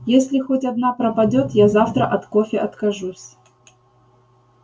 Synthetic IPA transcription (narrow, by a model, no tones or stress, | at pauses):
jesʲlʲɪxotʲɐd̪napɾəpɐdʲot̪jazaft̪ɾə̰ʔɐt̪kofʲɪʔɐt̪kɐʐusʲ